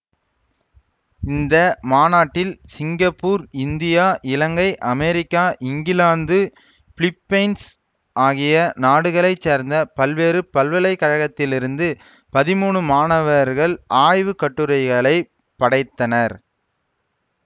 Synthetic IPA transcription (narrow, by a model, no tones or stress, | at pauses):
ɪnd̪ɐmaːnaːʈːɪlsɪŋɡɐpːuːɾɪnd̪ɪjaːʔɪlɐŋɡɐɪʔɐmɛɾɪkːaːʔɪŋɡɪlaːnd̪ɯ | fɭɪpːɐɪns | aːɣɪjɐnaːɽɯɣɐɭɐɪt͡ʃːeːɾnd̪ɐpɐlʋeːɾɯpɐlʋɐlɐɪkːɐɻɐɣɐt̪ːɪlɪɾɯnd̪ɯ | pɐðɪmuːɳɯmaːnɐʋɐɾɣɐɭʔaːjʋɯkɐʈːɯɾɐɪɣɐɭɐɪ | pɐɽɐɪt̪ːɐnɐɾ